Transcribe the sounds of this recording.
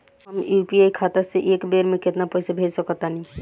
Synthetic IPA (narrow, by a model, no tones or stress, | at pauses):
ɦəmjupiaikʰat̪aseʔekbeɾmẽket̪napəsabʱed͡ʒsəkɔt̪anĩ